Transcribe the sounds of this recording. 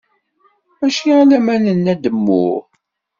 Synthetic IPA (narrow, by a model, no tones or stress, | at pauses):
æʃiælæmænənːæd̪əmːʊ̰ʁ